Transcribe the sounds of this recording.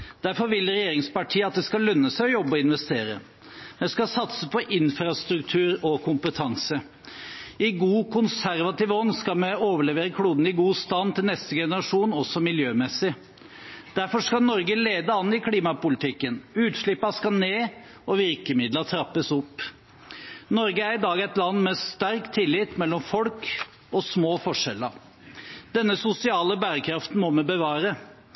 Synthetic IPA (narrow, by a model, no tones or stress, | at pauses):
d̪̥æɾfɔɾʋɪlɾɛjeːɾɪŋspɑʈʰiːəɑt̪̚d̪ɛskɑlœnːəsæɪɔjɔbːəɔɪnʋɛst̪eːɾə̰ | mɛnskɑsɑt̪səpʰɔʔɪnfɾɑst̪ɾʉkt̪ʰʉːɾɔkʰʊmpət̪ʰɑŋsə | ɪɡuːkʰʊnsæɾʋɑt̪iːʋəɔnːskɑlmɛoːʋəɭɛʋeːɾəkʰɽuːd̪n̩ɪɡuːst̪ɑnːt̪ʰɪlnɛst̪əɡɛnəɾɑʂuːnɔsːɔmɪljøːmɛsɪ | d̪̥æɾfɔʂkɑnɔɾɡəleːd̪əɑnːɪkʰliːmɑpʊlɪt̪ɪkːənʉːt̪ʂɭɪpːəɑskɑneː | ɔʋɪɾkəmɪd̪lət̪ʰɾɑpːəsɔpː | nɔɾɡəæɾɪd̪ɑːɡɛt̪lɑnːmɛst̪æɾkt̪ʰɪlːɪt̪mɛlːɔmfɔlk | ɔsmoːfɔʂɛlːəɾ | d̪̥ɛnːəsʊsɪɑːləbæːɾəkʰɾɑft̪n̩mɔmɛbəʋɑːɾə